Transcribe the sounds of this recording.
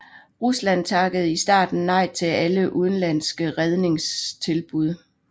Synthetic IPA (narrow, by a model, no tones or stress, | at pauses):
ʁuslæn̰t͡sʰɑ̈ɡ̥əð̞̩ˠisd̥ɑ̰̈ːd̥n̩ːɑ̈ɪt͡sʰe̝æləʔuð̞ˠn̩læn̰sɡ̥əʁɛð̞ˠne̝ŋst͡sʰe̝lb̥uð̞ˠ